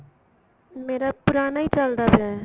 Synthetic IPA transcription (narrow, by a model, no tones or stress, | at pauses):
meɾapuɾanəjt͡ʃəld̪abʱe